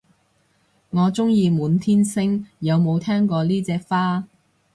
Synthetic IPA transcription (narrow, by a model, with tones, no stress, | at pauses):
ŋɔː˨˧t͡sʊ˥ŋjiː˧muː˨˧nt̪ʰiː˥nsɪ˥ŋjɐ˨˧wmo˨˧wt̪ʰɛː˥ŋkɔː˧liː˥t͡sɛː˧k̚faː˥